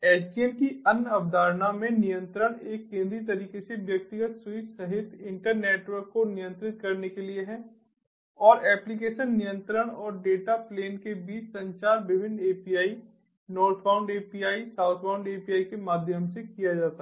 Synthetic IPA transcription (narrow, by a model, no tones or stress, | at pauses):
ɛːt͡ʃɖiɛnkiɐnɐbd̪ʱaːɾnamẽnijə̃nt̪ɾəɽ̃eːkːẽːnd̪ɾit̪ɐɾiːkeseʋjɐk̚t̪ɪɡət̪swɪt͡ʃsɐɦɪt̪ɪ̃ɳʈəɾneːʈʋəɾkːonɪjə̃nt̪ɾɪt̪̚kɐɾnekelieɦɛ̃ | ɔːɾɛːplik̬eːʃənːɪjə̃nt̪ɾəɽ̃ɔːɾɖeːʈapleːnkebiːt͡ʃsɐ̃ɲt͡ʃaːɾʋɪbʱɪ̃nd̪eːpiaːi | nɔːɾt̪ʰfaːʊ̃ɳɖeːpiaːisaːʊt̪ʰpãːʊ̃ɳɖeːpijaːikemaːd̪ʱjəmsekijad͡ʒaːt̪aɦ